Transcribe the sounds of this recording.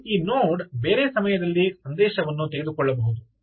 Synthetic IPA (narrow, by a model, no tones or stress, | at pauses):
iːnoːɖbe̞ːɾeːsɐmɐjɐd̪ɐlːisɐnd̪ɛːʃɐʋɐnːut̪eɡed̪ukɔɭːɐbɐɦud̪u